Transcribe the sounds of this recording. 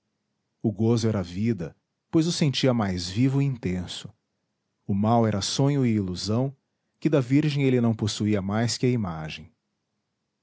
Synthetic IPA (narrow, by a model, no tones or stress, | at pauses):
ʊɡozʊɛɾɐvid̪ɐ | pojzʊsẽnt͡ʃiɐmajzvivʊiĩnt̪ẽsʊ̥ | ʊmawɛɾɐsõɲʊɪiluzɐ̃w̃ | kɪd̪ɐviɾʒẽj̃elɪnɐ̃w̃posuiɐmajskɪɐimaʒẽj̃